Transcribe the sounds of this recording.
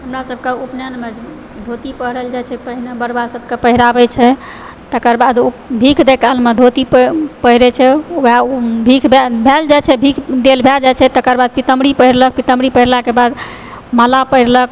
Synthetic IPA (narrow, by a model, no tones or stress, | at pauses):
ɦəmɾasəb̚ʱkeupnanmed͡ʒ | d̪ʱot̪ipəɦɾəld͡ʒat͡ʃʰɛpəɦinebəɽbasəb̚ʱkepəɦiɾabɛt͡ʃʰɛ | t̪əkəɾbad̪obʱikʰd̪ekʰəlmed̪ʱot̪ippəɦiɾɛt͡ʃʰɛabʱikʰbbʱɛld͡ʒat͡ʃʰɛbʱikʰd̪elbʱɛld͡ʒajt͡ʃʰɛt̪əkəɾbad̪̚pit̪əmɽipəɦiɾlək̚pit̪əmɽipəɦiɾlakebad̪ | məlapəɦiɾləkʰ